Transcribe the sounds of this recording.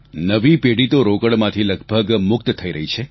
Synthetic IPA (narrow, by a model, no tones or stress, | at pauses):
nəʋipeɽit̪oɾokəɽmãt̪ʰiləɡbʱəɡmʊk̚t̪t̪ʰːəiɾəɦit͡ʃʰe